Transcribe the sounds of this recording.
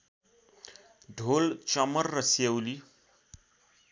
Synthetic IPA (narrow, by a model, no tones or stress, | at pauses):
ɖʱolt͡ʃʌmʌrːʌsewli